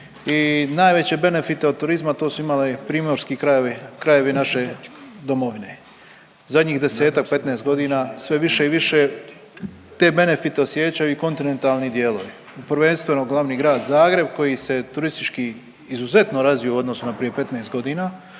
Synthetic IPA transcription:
inaːjʋe̞t͡ɕe̞be̞ne̞fit̪eod̪t̪ːuɾizmat̪o̞ːsuimalepɾiːmoɾskikɾajeʋikɾaje̞ʋinaʃe̞d̪o̞moʋine | zad̪ɲiːxd̪e̞se̞ːt̪ak̚pe̞t̪nest̪ɡo̞d̪iːnasʋe̞ʋiʃe̞iʋiʃe | t̪e̞ːbe̞ne̞fit̪eosjeːt͡ɕajuiko̞nt̪ine̞nt̪alˠnid̪jeːloʋi | upɾʋe̞nst̪ʋe̞noɡlˠaʋniːɡɾaːd̪zaːɡɾe̞b̚ko̞jise̞t̪uɾist̪it͡ʃkiː | zuze̞t̪no̞ɾazʋijouo̞d̪nosunapɾije̞pe̞t̪neːst̪̚ɡo̞d̪iːnaː

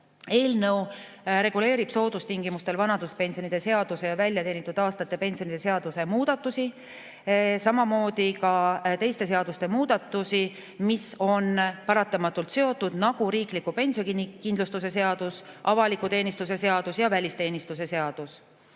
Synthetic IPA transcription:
e̞ːlnɤw | ɾe̞ɡ̥ule̞ːɾib̥so̞ːd̪ust̪iŋɡ̥imust̪e̞lvɑnɑd̪̥uspe̞nsionid̪̥e̞se̞ɑd̪̥use̞jɑvælʲjɑt̪e̞ːnit̪ːˑud̪̥ɑːst̪ɑt̪ːˑe̞pe̞nsio̞nid̪e̞seɑd̪̥use̞muːd̪̥ɑt̪ːˑusi | sɑmɑmo̞ːd̪̥ikɑt̪e̞jst̪e̞s̬e̞ɑd̪ust̪e̞muːd̪̥ɑt̪ːˑusi | miso̞npɑɾɑt̪ːˑɑmɑt̪ːˑult̪se̞o̞t̪ːˑud̪̥nɑɡ̥uɾiːklikːupe̞nʲsio̞kinkind̪lust̪us̬e̞se̞ɑd̪̥us | ʔɑvɑlikut̪e̞ːnist̪us̬e̞se̞ɑd̪usjɑvælʲist̪e̞ːnist̪use̞se̞ɑd̪̥us

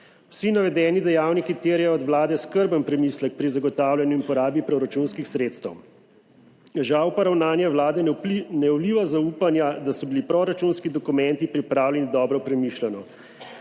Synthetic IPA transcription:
wsinaʋɛd̪ɛːnid̪ɛjaːwnikit̪eːɾjɛjɔɔd̪ʋlaːd̪ɛskəɾbənpɾɛmislək̚pɾizaɡɔt̪aːwlʲjanjuinpɔɾaːbipɾɔɾat͡ʃunskixsɾeːt̪st̪əw | ʒawpaɾawnaːnjɛwlaːd̪ɛnɛuliʋazauːpanjad̪asɔbilipɾɔɾat͡ʃunskid̪ɔkumɛnt̪ipɾipɾaːwlɛnid̪ɔːbɾɔpɾɛmiʃlanɔ

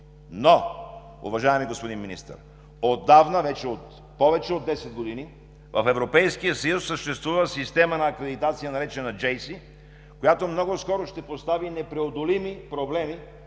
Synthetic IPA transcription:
no | ṵvɐʒaɛmiɡospod̪inminḭst̪ə̰ɾ | od̪ːavnəvɛt͡ʃɛot̪ | pɔvɛt͡ʃɛod̪ːɛsɛd̪̚ɡod̪ini | vɐfɛvɾopɛjskijəsɐjusːəʃt̪ɛst̪vuvəsist̪ɛmənɐːkɾɛd̪it̪at̪sijənɐɾɛt͡ʃɛnɐd͡ʒɛjsi | kojat̪omnɔɡoskɔɾoʃt̪ɛpost̪avinɛpɾɛod̪olimipɾoblɛmi

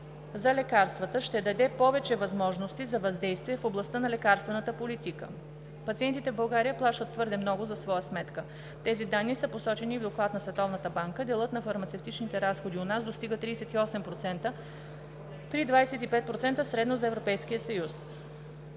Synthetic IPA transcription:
zɐlɛkaɾst̪vət̪əʃt̪ɛd̪ɐd̪ɛpɔvɛt͡ʃɛvɐzmɔʒnost̪izɐvɐzd̪ɛjst̪viɛfoblˠɐst̪ənɐlɛkaɾst̪vɛnət̪əpolit̪ikə̰ | pɐt̪siɛnt̪it̪ɛvbɐlˠɡaɾijəplˠaʃt̪ət̪ːvɤɾd̪ɛmnɔɡʊzɐsvɔjəsmɛt̪kə | t̪ɛzid̪anːisəposɔt͡ʃɛnivd̪oklˠat̪nɐsvɛt̪ɔvnət̪əbaŋkəd̪ɛlˠɤt̪nɐfɐɾmɐt̪sɛft̪it͡ʃnit̪ɛɾasxod̪ionasd̪ost̪iɡət̪ɾiːsɛt̪iɔsɛmpɾot̪sɛnt̪ə | pɾid̪vajɛsɛt̪ipɛt̪̚pɾot̪sɛnt̪əsɾɛd̪nozɐɛvɾopɛjskijəsɐjus

